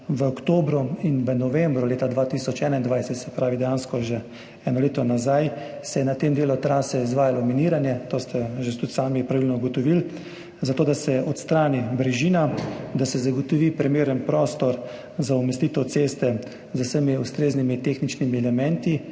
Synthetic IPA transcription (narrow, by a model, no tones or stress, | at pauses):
ʋəɔkt̪oːbɾuinʋənɔʋɛmbɾuleːt̪ad̪ʋaːt̪isɔt͡ʃɛːnaind̪ʋajsɛt̪sɛpɾaːʋid̪ɛjaːnskɔʒe | ɛːnɔleːt̪ɔnazaj | sɛjɛnat̪emd̪eːlut̪ɾaːsɛizʋaːjalɔminiːɾanjɛt̪oːst̪ʰɛʒet̪ut̪saːmipɾaʋilnɔɡɔt̪ɔʋil | zat̪oːd̪asɛʔɔt̪st̪ɾaːnibɾɛʒiːnad̪asɛzaɡɔt̪ɔʋipɾimeːɾənpɾoːst̪ɔɾ | zaumɛst̪iːt̪ɛwt̪sest̪ɛ | zəwsəmiust̪ɾeːznimit̪exnit͡ʃnimiɛlɛmɛnt̪i